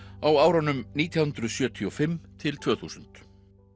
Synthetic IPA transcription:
awaːwɾanʏmniːt̪ʰjahʏnt̪ɾʏðsjœːt̪ʰiɔfɪmːt̪ʰɪlt̪ʰvœːθusʏn̥t̪

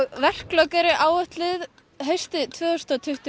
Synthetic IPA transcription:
ɣvɛr̥klœkaɾɪʔaːwœht̪lɪð | ɦejst̪ɪt̪ʰvœːʏst̪at̪ʰʏht̪ʏ

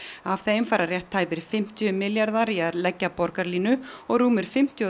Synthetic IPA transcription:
avθeːjmfaːjɾarjɛht̪ʰːaːjpɪɾ̥fɪm̥t̪jʏmɪljaɾðaɾiaɾlɛcːapɔɾkaɾliːnʏɔɣɾuːmɪɾ̥fɪm̥t̪ʰjɔ

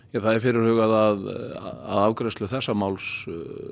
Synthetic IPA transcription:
ɛθaðɛɾfɪːɾɪɾ̥hʏːɣaðaða̰ðawkɾɛjst̪lʏθɛsːamaːwls

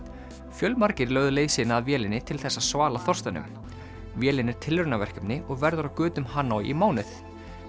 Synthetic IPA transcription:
fjœlmaɾcɪɾlœːɥɣðʏleːjsɪnaːðvjɛːlɪnɪt̪ʰɪlθɛsːasvaːlaθɔrst̪anʏ̰m | vjɛːlɪnɛɾ̥t̪ʰɪlɾʏnavɛr̥kʏpnɪʔɔɣvɛɾðʏɾawkʏːt̪ʏmhaːnːawḭmaːwnɪθ

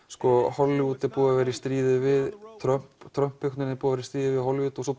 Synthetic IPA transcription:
skɔhɔlːɪuːt̪ɪpuːɣavɛːɾist̪ɾiːðɪvɪðt̪ʰɾœm̥pt̪ʰɾœm̥phʏkt̪nɪɾnɪpuːɣavɛːɾɪst̪ɾiːðɪvɪðɦɔlvɪːt̪ɔs̬ɔ

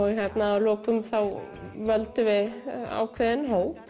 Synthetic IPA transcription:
ɦɛt̪naːloːkʏmθawvœlt̪ʏʋɪa̰wkʰvɛːɪnɦowp

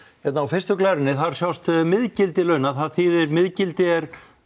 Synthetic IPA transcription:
çjɛt̪naːawfɪrst̪ʏklɛɾɪnːɪθaɾ̥sjawst̪mɪðcɪlt̪ɪlœɥnaðθaðθiːðɪɾmɪðcɪlt̪ɪɛɾ̥

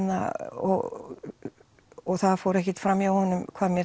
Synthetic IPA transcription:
nːa̰ɔ̰ɣ | ɔɣθaðfowɾɛhcɪt̪fɾamːiawhɔnːʏmkʰv̥aːðmjɛ

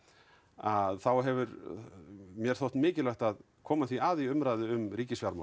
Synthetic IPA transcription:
aðθawɦɛvʏɾ | mjɛɾ̥θowht̪mɪːcɪlœht̪að | kʰɔːmaθviaːðiʏmɾajðɪʏmrɾiːcɪsjaɾma̰

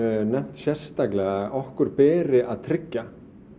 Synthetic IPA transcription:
nɛm̥t̪sjɛr̥st̪aklɛɣaɔhkʏɾpɛːɾɪʔaðt̪ʰɾɪcːa

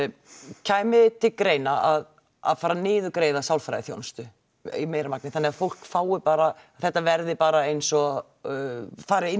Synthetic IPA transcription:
cʰaːjmɪt̪ʰɪlkɾeːjnaað | a̰ðfaːɾanɪːðʏkɾeːjðasawlfɾa̰jðɪθjo̰wnst̪ʏ | ḭmeːjɾamak̚nɪθanːɛafowl̥kfaːwɪpaːɾa | θɛht̪ːavɛɾðɪpaːɾaejnsɔ | faːɾɪɪ

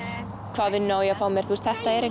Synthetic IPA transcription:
kʰvaːðvɪðnaːwjafaːwmjɛɾ̥θʰurst̪θɛht̪aɛɾe

